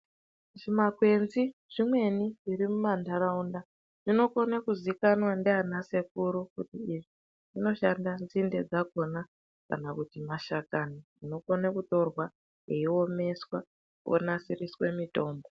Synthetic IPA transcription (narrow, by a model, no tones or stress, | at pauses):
ʐimakwe̞nziʐ̥imwe̞niʐiɾimumandaɾaunda | ʐ̥ino̞konekuzikanwandeanase̞k̚uɾukutiːʐi | ʐ̥ino̞ʃandanzinde̞d͡zakona | ka̰nakutimaʃakaniʐino̞konekuto̞rwa | eio̞me̞swa | wo̰nasiriswe̞mito̞ːmbo